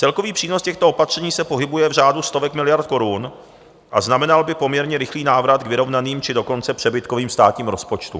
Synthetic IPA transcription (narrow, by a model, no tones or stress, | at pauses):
t͡sɛlko̞viːpr̝̥iːnoscɛxt̪oopat̪r̝̥ɛɲiːsɛpo̞ɦɪbujɛvr̝aːdust̪o̞vɛkmɪlɪjaɾt̪̚ko̞ɾun | ʔaznamɛnalbɪpo̞mɲɛɾɲɛɾɪxliːnaːvɾat̪ɡvɪɾo̞vnaniːmt͡ʃɪdo̞ko̞nt͡sɛpr̝̥ɛbɪt̪ko̞viːmst̪aːt̪ɲiːmɾo̞spo̞t͡ʃt̪ṵ